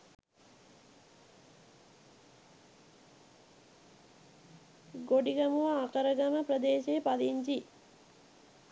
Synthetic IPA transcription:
ɡoɖiɡɐmuʋaːkəɾəɡaməpɾəd̪eːʃejpad̪iɲt͡ʃi

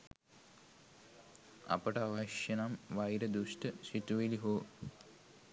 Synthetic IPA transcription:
a̰pəʈəaʋaʃjɐnamʋajɾəd̪uʃʈəsit̪uʋiliɦoː

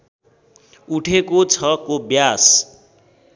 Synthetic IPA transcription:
uʈʰekot͡sʰʌkobjas

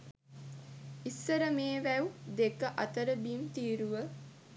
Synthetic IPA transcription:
isːəɾəmeːʋæud̪ekəʔat̪əɾəbiːmt̪iːɾuʋə

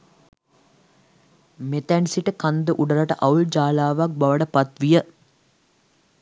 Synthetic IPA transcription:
met̪ænsiʈəkand̪əʔuɖəɾaʈəʔɐuld͡ʒaːlaːʋak̚baʋəɖəpat̪ʋijə

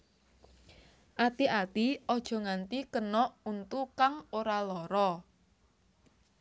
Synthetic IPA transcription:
ʔat̪iʔat̪iɔd̥ʒ̥ɔ̤ŋant̪ikənɔʔunt̪ukaŋoɾalɔɾɔ

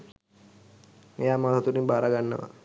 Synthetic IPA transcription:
ejaːmat̪at̪unimbaːɾaɡanːə̰ʋa̰

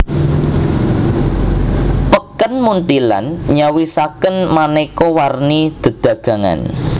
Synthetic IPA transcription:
pəkənmunt̪ila̰nɲawisakənmanekɔwarnid̪̥ə̤d̪̥ä̤ɡ̥a̤ŋa̰n

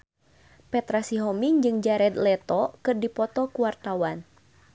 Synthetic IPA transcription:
pɛt̪ɾasiɦɔmiŋd͡ʒɨŋd͡ʒaɾɛd̪lɛt̪ɔkɨrdipɔt̪ɔkuwart̪awan

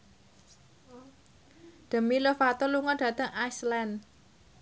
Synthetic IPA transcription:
ɖ̪̥ə̤milofat̪ɔluŋɔɖ̥ä̤t̪əŋajslɛn

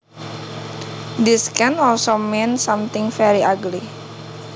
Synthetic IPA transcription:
d̪iskɛnɔlsominsãmt̪ɪ̃ŋfɛɾiaɡli

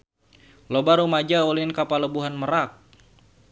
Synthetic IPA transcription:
lobaɾumad͡ʒaulɪnkapaləbuɦanməɾak̚

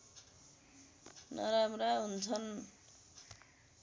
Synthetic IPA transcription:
nʌɾamraɦunt͡sʰʌn

